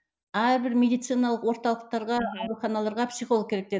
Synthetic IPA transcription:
æɾbɪɾmʲe̞d̪ijt̪sɨjnɑlˠəqwo̞ɾt̪ɑlˠəq̚t̪ɑɾʁɑɑwɾuχɑnɑlˠɑɾʁɑpsijχoəkʲʰɾe̞k̚d̪e̞

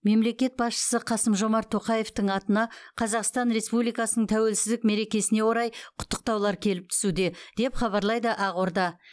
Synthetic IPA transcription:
me̞mle̞kʲe̞t̪̚bɑsʃə̥səqʰɑsəmʒo̞mɑɾt̪ʰo̞qɑje̞ft̪əɴɑt̪ənɑqʰɑzɑqst̪ɑnɾe̞spublijkɑsənəɴt̪ʰæwe̞lsɪzd̪ɪk̚me̞ɾe̞kʲe̞sɪne̞wo̞ɾɑjqʰʊ̥t̪ːə̥q̚t̪ɑwlˠɑɾkʲʰe̞lɪp̚t̪ʰʏ̥sud̪e̞d̪̥e̞pχɑβɑɾlˠɑjd̪əʔɑʁoɾd̪ɑ

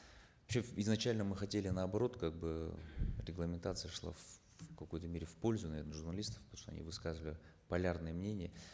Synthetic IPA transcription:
vɐpɕeɪznɐt͡ɕælʲnəmɨxɐtʲelʲɪnəɐbɐɾo̞t̪kaɡ̚bɨɾʲɪɡlˠəmʲɪnt̪at̪sɨjəʂlˠa̰f | kɐkojt̪əmʲeɾʲɪfpo̞lʲzʊnɐvʲe̞rnəʐʊrnɐlʲist̪ə̥fpət̪omʂt̪o̰ɐ̰nʲḭvɨskazɨvəlʲɪ | pɐlʲarnɨjəmnʲenʲɪjə

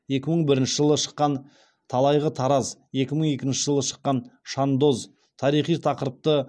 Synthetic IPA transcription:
je̞kʲɪməɴbɪɾɪnʃɪʒəlˠəʃə̥qːɑn | t̪ʰɑlˠɑjʁət̪ʰɑɾɑzje̞kʲɪməɴe̞kʲɪnʃɪʒəlˠəʃə̥qːɑnʃɑnd̪o̞z | t̪ʰɑɾijχijt̪ʰɑqəɾəp̚t̪ə

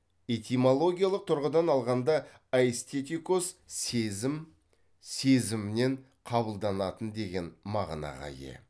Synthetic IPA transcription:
et̪ʲimolˠo̞ɡʲijalˠəq̚t̪ʰʊɾʁəd̪ɑnɑlˠʁɑnd̪ɑ | aest̪et̪ikosezɪm | se̞zɪmɪne̞ɴ | qʰɑbəlˠd̪ɑnɑt̪ənd̪e̞ɡʲe̞nmɑ̰ʁnɑ̰ʁɑ̰jḛ

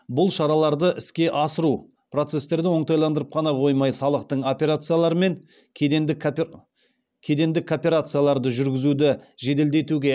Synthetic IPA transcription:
bʊlˠʃɑɾɑlˠɑɾd̪əʔɪskʲe̞ʔɑsəɾu | pro̞t̪se̞st̪e̞ɾd̪ɪwo̞ɴt̪ɑjlˠɑnd̪əɾəp̚qʰɑnɑqʰo̞jmɑjsɑlˠəqt̪əɴo̞pʲe̞ɾat̪sɨjalˠɑɾəme̞ŋʲʰ | enɪ | kʲʰe̞d̪e̞nd̪ɪkʰːopʲe̞ɾat̪sɨjalˠɑɾd̪əʒʏɾɡʲɪzud̪ɪʒe̞d̪e̞ld̪e̞t̪uɡʲe̞

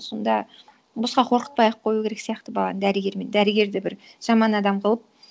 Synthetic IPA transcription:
so̞nd̪ɑ | bosqɑqʰoɾqə̥t̪̚pɑjəp̚qʰo̞jukʲʰe̞ɾe̞ksijɑqt̪əbɑlˠɑnd̪æɾɪɡʲe̞ɾmend̪æɾɪɡʲe̞ɾd̪ɪbɪɾʒ̥ɑmɑnɑd̪ɑmqʰəlˠəp̚

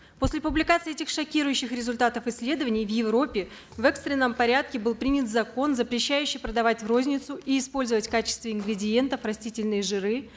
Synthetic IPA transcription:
po̞sʲlʲɪpʊblʲɪkat̪sɨɪɛtʲɪxʂɐkʲiɾʊjʉɕːɪxɾʲɪzʊlʲt̪at̪əfɨsʲːlʲe̞d̪əvənʲɪjvjɪvɾo̞pʲːɪ | vɛkst̪ɾʲɪnːəmpɐɾʲat̪̚kʲɪbɨlˠpɾʲinʲɪt̪zɐko̞nzəpɾʲɪɕːæjʉɕːɪjpɾəd̪ɐvatʲvro̞zʲnʲɪt̪sʊʔiːspo̞lʲzəvətʲkat͡ɕɪ̥st̪vʲɪɪnɡɾʲɪdʲɪje̞nt̪əfrɐsʲtʲitʲɪlʲnɨjʐɨɾɨ

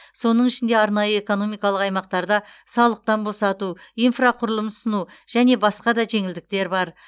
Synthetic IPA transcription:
so̞nəɴɪʃɪnd̪e̞ɑɾnɑjəe̞ko̞no̞mijkɑlˠəqɑjmɑq̚t̪ɑɾd̪ɑsɑlˠəq̚t̪ɑnbo̞sɑt̪uijnfraqʰʊɾlˠəmsənuʒ̥æne̞bɑsqɑd̪ɑʒe̞ŋɪld̪ɪk̚t̪e̞ɾbɑɾ

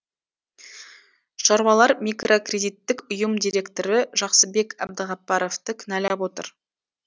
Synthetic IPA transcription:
ʃɑɾwɑlˠɑɾmʲikro̞krʲe̞d̪ijt̪ːɪkʊjəmd̪ijɾʲe̞kt̪o̞ɾɪʒɑqsəbe̞kʲæ̰b̚d̪əʁɑpːɑɾo̞ft̪əkʲʰʏnælæpwo̞t̪ə̰ɾ

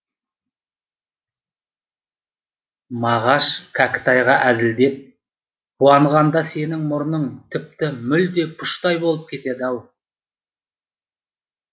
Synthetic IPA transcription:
mɑʁɑʃkʲʰækʲɪ̥t̪ɑjʁɑʔæzɪld̪e̞p̚ | qʰuɑɴʁɑnd̪ɑse̞nɪŋmʊɾnəɴt̪ʰɪp̚t̪ɪmʏld̪e̞pʰʊʃt̪ɑjbolˠəp̚kʲʰe̞t̪e̞d̪ɪɑwˠ

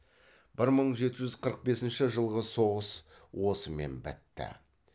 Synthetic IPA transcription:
b̥ɪɾməɴʒe̞t̪ɪʒʏzqʰəɾəq̚be̞sɪnʃɪʒəlˠʁəso̞ʁəswo̞səme̞̰nbɪ̰t̪ːɪ̰

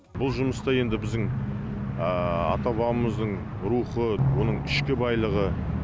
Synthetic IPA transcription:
bʊlˠʒʊməst̪ɑje̞nd̪ɪbɪzd̪ɪŋ | əɑ̰t̪ɑβɑəməzd̪əɴ | ɾuχəwo̞nəɴɪʃkʲɪbɑjlˠəʁə

